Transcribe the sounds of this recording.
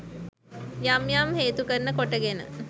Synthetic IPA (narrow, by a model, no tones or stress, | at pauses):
jamjamheːt̪ukəɾnəkoʈəɡenə̰